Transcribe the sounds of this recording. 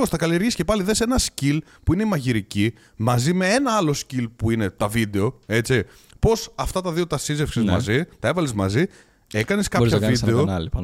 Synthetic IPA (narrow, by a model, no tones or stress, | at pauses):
ostθɐkɐlie̞ɾʝisce̞pɐliðesenɐscil | puine̞imɐʝiɾici | mɐzime̞e̞nɐɐlo̞scilpuine̞t̪ɐvid̪e̞o̞e̞t͡si | po̞sɐft̪ɐt̪ɐðiot̪ɐsize̞fksizmɐ̰zit̪ɐe̞vɐlezmɐzi | e̞kɐneskɐɾçɐvvid̪e̞oɐlip